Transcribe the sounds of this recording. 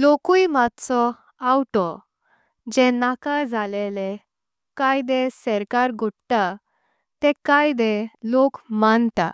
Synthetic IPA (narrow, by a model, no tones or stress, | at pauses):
lokujmat̪t͡sɔ | awʈɔ | d͡ʑɛ̃nakad͡zʱalelɛ | kajd̪ɛ̃sɛɾkaɾɡʱoʈt̪a | t̪ɛ̃kajd̪ɛlokmant̪a̰